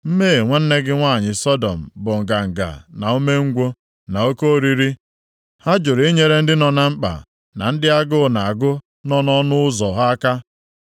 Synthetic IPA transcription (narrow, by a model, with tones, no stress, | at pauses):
m̩˦me˦˨ŋʷa˦n̩˦ne˦ɡɪ˦ŋʷa˦˨ɲɪ˨sɔ˦dɔ˨m̩˨bʊ˨ŋ̩˨ɡa˨ŋ̩˨ɡa̰˨na˨u˦me˦ŋ̩˦ɡʷo˦ | na˨o˦ko˦o˦ɾi˦ɾi˦ | ha˦d͡ʒʊ˨ɾe˦ɲe˦ɾe˦n̩˦dɪ˦nɔ˨na˨ŋ͡m̩˦k͡pa̰˨ | na̰˨n̩˦dɪ˦a˦ɡʊ˦˨na˨a˨ɡʊ˦ | nɔ˦nɔ˦nʊ˦ʊ˦zɔ˨ɦa˦a˦ka˦